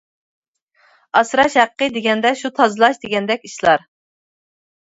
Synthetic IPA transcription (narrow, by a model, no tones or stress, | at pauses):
ɑsɾɑʃhæqʰːəd̪eɡʲɛnd̪ɛʃut̪ʰɑzɨlˠɑʃd̪eɡʲɛnd̪ɛkʲiʃlˠɑɾ